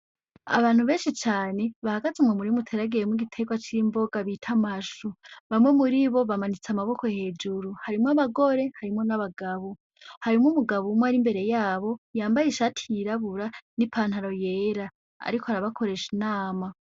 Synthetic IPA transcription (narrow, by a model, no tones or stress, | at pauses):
a̰βaːn̥huβe̞ːnʃit͡ʃaːne̞βahaɡazumŋemuɾimutʰeɾaɡijemwiɡitʰe̞ːɡwat͡ʃiɾimbo̞ɡaβitʰamaʃuβamŋe̞muɾiβo̞βamanit͡samaβo̞kohe̞ːd͡ʒuɾuhaɾimŋaβaɡo̞ɾe̞haɾimŋo̞naβaɡaβo | haɾimumuɡaβumaɾimbe̞ɾe̞jaːβo̞jaːmbajeʃatʰiɾaβuɾanipʰaːn̥haɾo̞jeːɾa | a̰ɾikʰohaɾaβakʰo̞ɾe̞ʃinaːma